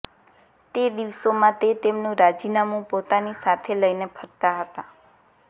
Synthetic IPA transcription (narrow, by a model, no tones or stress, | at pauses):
t̪ed̪iʋsomãt̪et̪emnũɾad͡ʒinamũpot̪anisat̪ʰeləjnepʰəɾt̪aɦət̪a